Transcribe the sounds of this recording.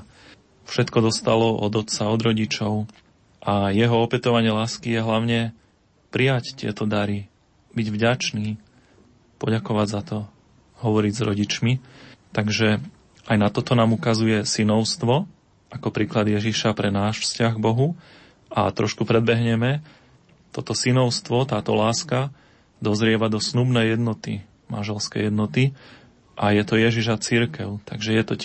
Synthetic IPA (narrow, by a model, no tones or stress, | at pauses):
fʃɛt̪kɔd̪ɔst̪alɔʔɔ̰d̪ɔt̪t͡saɔd̪ɾɔɟit͡ʃɔʊ | ʔajɛɦɔɔpɛt̪ɔʋaɲɪɛlaːskijɛɦlaʊɲɛ | pɾijact̪ɪɛ̰t̪ɔd̪aɾi | biɟvɟat͡ʃniː | pɔɟakɔʋaɟzat̪ɔ | ɦɔʋɔɾiɟzɾɔɟit͡ʃmit̪aɡʒɛ | ʔajnat̪ɔt̪ɔnaːmukazujɛsinɔʊst̪ʋɔ | ʔakɔpɾiːklad̪jɛʒiʃapɾɛnaːʃfscaɣɡbɔɦu | ʔa̰t̪ɾɔʃkupɾɛd̪bɛɦɲɛmɛ | t̪ɔt̪ɔsinɔʊst̪ʋɔt̪aːt̪ɔlaːska | d̪ɔzɾɪɛʋad̪ɔsnubnɛjɛd̪nɔt̪i | ma̰nʒɛlskɛ̰jɛd̪nɔt̪i | ʔajɛt̪ɔjɛʒiʒat͡siɾkɛʊt̪aɡʒɛjɛt̪ɔ